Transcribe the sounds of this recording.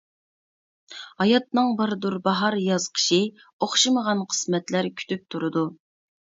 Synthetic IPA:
hɑjɑt̪̚nɨŋbɑɾd̪uɾbɑɦɑɾjɑzqʰə̥ʃɨ | oχʃɨməʁɑnqʰə̥smɛt̪læɾkʲʰy̥t̪ʰyp̚t̪ʰuɾɨd̪u

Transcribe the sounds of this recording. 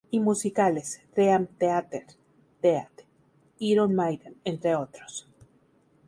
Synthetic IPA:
imusikalestɾeamt̪eat̪eɾ | t̪eat̪ | iɾonmajd̪anent̪ɾeot̪ɾos

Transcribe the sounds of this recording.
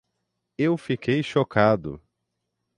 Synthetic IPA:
ewfikʰejʃokʰad̪ʊ̰

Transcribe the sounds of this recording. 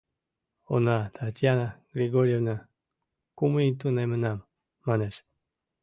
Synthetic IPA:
o̰nat̪ʰat̪janaɡɾiɡoɾievna | kumujit̪unajmənamː | aneʂ

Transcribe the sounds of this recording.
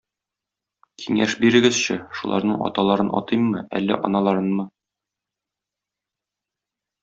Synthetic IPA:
kʰiŋæʃbiɾɘ̆ɡɘzɕɘʃulˠɑ̰ɾnɤɴɒ̰t̪ɑlˠɑɾɤnʔɒ̰t̪ɤjmːɤʔæ̰lːæ̰ʔɒ̰nɑlˠɑɾɤnmɤ

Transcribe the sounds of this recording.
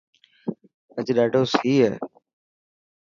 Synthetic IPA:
əd͡ʑɗaːɖoːsiːɦɛː

